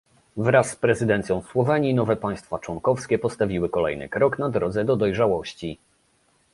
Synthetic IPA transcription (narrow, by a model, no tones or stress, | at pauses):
vɾasːpɾɛzɘd̪ɛnt̪sʲjɔ̃w̃swɔvɛɲinɔvɛpaj̃st̪fat͡ʂwɔŋkɔfskʲɛpɔst̪avʲiwɘkɔlɛjnɘ̰kɾɔknad̪ɾɔd̪zɛd̪ɔd̪ɔjʐawɔɕt͡ɕi